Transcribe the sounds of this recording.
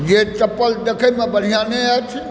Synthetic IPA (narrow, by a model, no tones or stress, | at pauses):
jet͡ʃɐpːəld̪ekʰəmẽbəɽ̤ʱijaːneət̪ʰ